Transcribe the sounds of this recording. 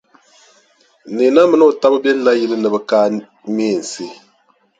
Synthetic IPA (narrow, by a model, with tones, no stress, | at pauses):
ni˨na˦mɨ˦nɨ˦o˨ta˦bɨ˦bɛ˦n̩˦la˦ji˦lɨ˦nɨ˨bɨ˦kaː˦ | meː˦˨n̩˨si˦˨